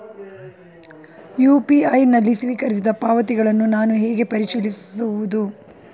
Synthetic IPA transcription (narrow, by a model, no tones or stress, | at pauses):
juːpiɐjnɐlːisʋiːkɐɾis̬id̪ɐpaːʋɐt̪iɡɐɭɐnːunaːnuɦeːɡe̞pɐɾiʃilisuʋud̪u